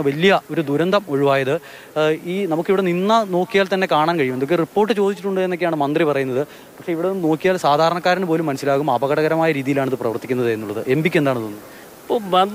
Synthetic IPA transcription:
ʋɐlijɐo̞ɾud̪uɾɐnd̪ʱɐmo̞ɻiʋaːjɐðɨ | iːnɐmukːiʋiɽe̞ninːɐno̞ːkːijaːlt̪ɐnːe̞kaːɳaːnkɐɻijumed̪okːeripːo̞ːrʈːɨt͡ɕoːd̪it͡ɕːiʈːuɳɖɨenːokːejaːɳɨmɐnd̪ripɐrɐjunːɐðɨ | pɐkʂe̞iʋiɽeno̞ːkːijaːlsaːd̪ʱaːɾɐɳɐkːaːɾɐnɨpo̞ːlumːɐnɐsːilaːɣumɐbɐɣɐɽɐɣɐɾɐmaːjɐɾiːðijilaːɳɐðɨprɐʋɐrt̪ːikʲːunːɐðɨenːuɭːɐðɨʔembikʲːed̪aːɳɨt̪onːɨ | ɐpːoʋɐn

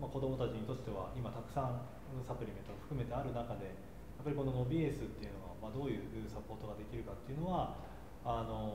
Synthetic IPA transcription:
mako̞d̪o̞mo̞t̪at͡ɕiɲ̟it̪o̞t͡ɕi̥t̪e̞βaʔimat̪akɯ̟̥sãɴ | ɯsapɯ̟ɾʲime̞nt̪oɡaɸɯ̟kɯ̟me̞t̪e̞aɾɯ̟nakad̪e̞ | japːaɾʲiko̞no̞no̞bʲiesɨt̪ːe̞jɯ̟no̞ɡamad̪o̞ːjɯ̟ːʔɯːsapo̞ːt̪o̞ɡad̪e̞kʲiɾɯ̟kat̪ːe̞iɯ̟no̞βa | ano̞

